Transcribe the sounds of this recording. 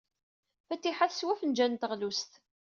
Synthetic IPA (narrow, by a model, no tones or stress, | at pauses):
fæt̪ːiħaθswæfənd͡ʒænt̪əʁlust̪